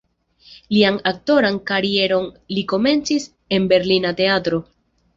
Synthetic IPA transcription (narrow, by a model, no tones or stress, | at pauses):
lianak̚to̞ɾankaɾie̞ɾo̞n | liko̞me̞nt͡sis | e̞nbe̞ɾlinate̞atɾo̞